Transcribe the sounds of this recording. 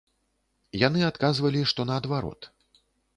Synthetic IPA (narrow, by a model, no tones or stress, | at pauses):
jan̪ɨat̪kazvɐlʲiʂt̪ɔnɐːd̪vaɾɔ̰t̪